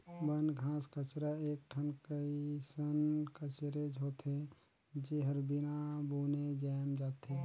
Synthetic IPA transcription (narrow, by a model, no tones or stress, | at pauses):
bənɡʱãːskət͡ʃɾaeːk̚ʈʰənkəisənkət͡ʃɾed͡ʒʱɦoːt̪e | d͡ʒeɦəɾbinabuːned͡ʒɛːmd͡ʒaːt̪e